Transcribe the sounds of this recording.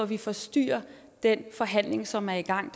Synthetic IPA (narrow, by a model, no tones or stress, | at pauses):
ɒʋifɒ̽sd̥y̰ːɐ | d̥enfɒ̽ɦæn̰le̝ŋsɒ̽mæɐiɡ̥ɑ̈ŋ̰d̥